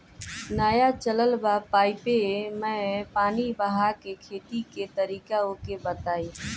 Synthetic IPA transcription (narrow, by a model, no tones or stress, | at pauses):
naːjat͡ʃələlbapaːɪpemɛ̃paːnibəɦakekʰeːt̪iket̪əɾiːkaokebət̪aːi